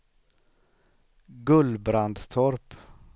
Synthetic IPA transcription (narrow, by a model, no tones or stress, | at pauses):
ɡɵlbɾand̪st̪ʰɔɾp